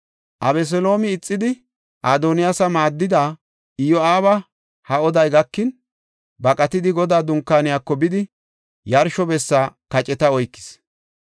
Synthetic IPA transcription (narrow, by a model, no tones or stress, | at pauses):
ʔɐ̰bɛs̬ɔlo̞ːmɪːt͡sʼːɪd̪ɪ | ʔaːd̪onɪjasɐmaːd̪ːɪd̪aː | ɪjɔaːβɐ | hɐɔd̪ɐjɡɐkːɪn | bɐkʼɐt̪ɪd̪ɪɡɔd̪aːd̪ʊŋkːaːnɪjaːkːɔbɪd̪ɪ | jɐɾʃɔbɛsːaːkɐt͡ʃʼɛt̪ɐɔjkːɪ̥s